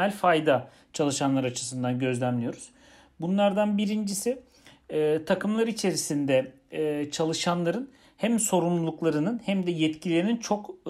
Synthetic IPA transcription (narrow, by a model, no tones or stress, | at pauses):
ɛlʲfajd̪a | t͡ʃʰalˠɯʃanlˠaɾɯat͡ʃʰɯ̥sɯnd̪anɟø̞zlʲæmlijo̞ɾuz̥ | bunlˠaɾd̪anbiɾind͡ʒisi | t̪ʰakʰɯmlˠaɾit͡ʃʰe̞ɾisind̪ɛ | t͡ʃʰalˠɯʃanlˠaɾɯn | hæmso̞ɾumlˠulˠuklˠaɾɯnɯnhæmd̪ɛjɛt̪cʰilʲeɾinint͡ʃʰo̞k